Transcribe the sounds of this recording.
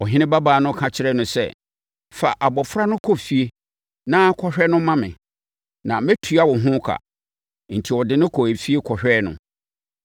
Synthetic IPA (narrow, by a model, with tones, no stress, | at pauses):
ɔ˨ɦɪ̃˦nɪ̃˦ba˦baː˨nʊ̃˦kʰã˨t͡ɕʰɪ˦ɾɛ˦nʊ̃˨sɛ̰˦˨ | fa˨ʔa˨bɔ˨fɾa˦nʊ̃˦kʰɔ˨fi˨e˦ | nã˦kʰɔ˦ɕᶣɛ˦nʊ̃˦mã˦mɪ̰̃˨ | nã˨mɛ˦tʰu˨a˦wɔ̃˨ɦʊ̃˦kʰa̰˨ | n̩˨tʰi˨wɔ˨dɪ˦nʊ̃˦kʰɔ˨e˨fi˦e˦kʰɔ˨hᶣɛ˦nʊ̰̃˨